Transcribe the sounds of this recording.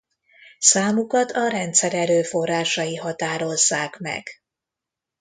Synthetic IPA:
saːmukɒt̪ʰɒɾɛnt̪sɛɾɛɾøːfo̞rːaːʃɒjiɦɒt̪aːɾo̞zːaːkmɛ̰ɡ̥

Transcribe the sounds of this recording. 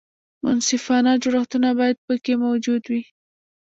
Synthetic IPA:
mʊ̰nsɪfɑnad͡ʒʊɾaxt̪unabɑjad̪̚pəkemawd͡ʒud̪wi

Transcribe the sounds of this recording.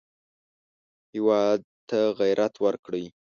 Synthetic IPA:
hɪwɑd̪̚t̪aɣajɾʔat̪wəɾkɽəj

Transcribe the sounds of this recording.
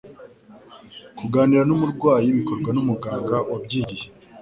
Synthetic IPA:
kuɡaːniɾanumuɾɡwaːjiβiko̞ɾɡwanumuɡaːŋɡaʔwabɟiːɾi

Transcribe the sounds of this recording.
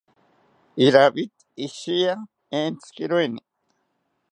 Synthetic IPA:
iɾabit̪ | iʃia | ent͡skiɾweni

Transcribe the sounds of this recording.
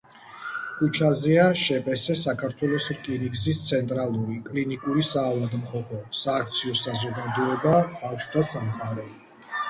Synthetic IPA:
kʰut͡ʃʰazɛaʃɛbɛsɛsakʰaɾt̪ʰwɛlˠɔsɾkʼiniɡzist̪sʰɛnt̪ʼɾalˠuɾikʼlinikʼuɾisaːlad̪mχɔpʰɔsaːk̚ʰt̪sʰiɔsazɔɡad̪ɔɛbabafʃd̪asamqʼaɾɛ

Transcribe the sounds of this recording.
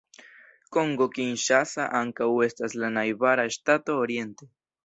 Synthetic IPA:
ko̞ŋɡo̞kinʃasaʔaŋkawe̞staslanajbaɾaeʃtato̞ːɾje̞nte

